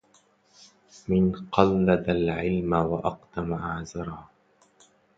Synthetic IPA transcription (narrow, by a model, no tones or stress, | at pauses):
mɪnqɑlːad̪alʕɪlmawaʔɑqt̪amaʔaʕzɑɾˤɑː